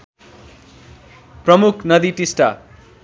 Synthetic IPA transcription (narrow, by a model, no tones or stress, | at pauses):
prʌmukʰnʌd̪iʈisʈa̰